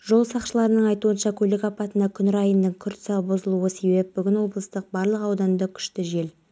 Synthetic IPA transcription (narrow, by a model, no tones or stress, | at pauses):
ʒ̥o̞lˠsɑqʃəlˠɑɾənəɴɑjt̪uənʃɑkʲʰɵlɪkɑpɑt̪ənd̪ɑkʲʰʏnɪɾɑjənd̪əɴkʲʰʏɾt̪ɪ̥sɑbozəlˠuəse̞bep̚bʏɡʲɪnwo̞blˠəst̪əq̚bɑɾlˠəqɑwd̪ɑnd̪ɑkʲʰʏ̥ʃt̪ɪʒe̞l